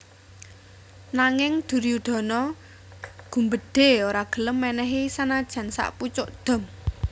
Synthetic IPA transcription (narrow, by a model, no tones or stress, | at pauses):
naŋɪŋd̪̥ṳɾiud̪̥ɔ̤nɔ | ɡ̥ṳmbəd̪̥e̤oɾaɡ̥ə̤ləmːɛnɛɦisanad̥ʒ̥ä̤nsa̰ʔput͡ʃʊʔd̪̥ɔ̤m